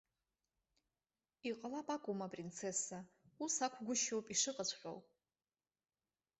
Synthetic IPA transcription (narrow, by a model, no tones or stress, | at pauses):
iqʼalapʼakʷʼʊmapʼrint͡sʰe̞sausakʷʰɡʷʊʃowpʼiʂɨqʼət͡ɕʷʰχʲʼo̰w